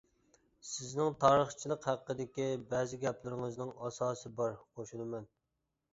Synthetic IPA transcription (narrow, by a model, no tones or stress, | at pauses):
sɪznɪŋt̪ʰɑːɾəχt͡ʃʰilˠəqhæqːəd̪ɪkʲibɛːzɪɡʲɛplɪɾɪŋɨznɪŋɑsɑːsɨbɑɾqʰoʃulɨmɛn